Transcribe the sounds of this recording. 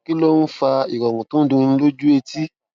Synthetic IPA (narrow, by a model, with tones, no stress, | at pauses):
ki˦lo˦n̩˦fa˧i˨ɾɔ˨mũ˨tũ˦dũ˧ñ̩˧lo˦d͡ʒu˦e˧ti˦